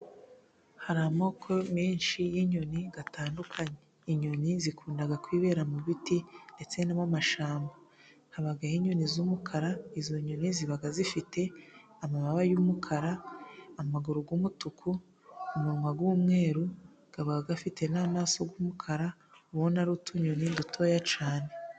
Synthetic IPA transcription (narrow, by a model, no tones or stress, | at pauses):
haɾamo̞kʰo̞miːnʃijiɲoniɡataːndukʰaɲe | iɲonizikʰuːndaɡakwiːβe̞ːɾamuβitinde̞t͡se̞namamaʃaːmba | haβaɡajiɲonizuːmukʰaɾaizo̞ɲoniziβaɡazifite̞ | amaβaβajuːmukʰaɾaː | maɡuɾuɡuːmutukʰu | umuɾimaɡuːmŋe̞ːɾu | ɡ̥aβaɡaɡafite̞naːmaːso̞ɡwuːmukʰaɾa | uwonaɾutʰuɲo̞nidutʰo̞ːjat͡ʃaːne̞